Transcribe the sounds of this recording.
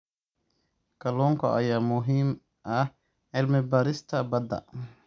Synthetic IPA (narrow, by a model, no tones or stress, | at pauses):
kʰɐlɔːŋkʰɔ̰ʔɐjaːmʊɦiːm | ʔɐh | ʕɪlmɪbaːɾɪst̪ʰɐbɐd̪ɐ̰